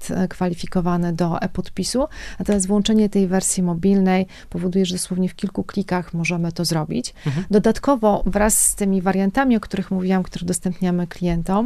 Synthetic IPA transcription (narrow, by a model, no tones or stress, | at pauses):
t̪kfalʲifʲikɔvanɘd̪ɔʔɛ̰pɔt̪pʲisunat̪ɔmʲjast̪vwɔnt͡ʂɛɲɛt̪ɛjvɛɾsʲjimɔbʲilnɛj | pɔvɔd̪ujɛʐɛd̪ɔswɔvɲɛfkʲilkuklʲikaxmɔʐɛmɘt̪ɔzɾɔbʲḭt͡ɕd̪ɔd̪at̪kɔvɔvɾasːt̪ɘmʲivaɾjant̪amʲiɔkt̪uɾɘxmuvʲiwamkt̪uɾɛd̪ɔst̪ɛmpɲamɘklʲijɛnt̪ɔm